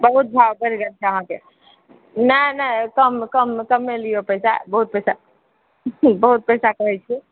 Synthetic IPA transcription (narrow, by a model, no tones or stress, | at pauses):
bəɦut̪̚bʱawbəɾiɡəɾt͡ʃʰɛəɦãke | nənəkəmkəmkəmːeliopəjsa̰bəɦut̪̚pəjsa | bəɦut̪̚pəjsakəɦɛt͡ʃʰɛ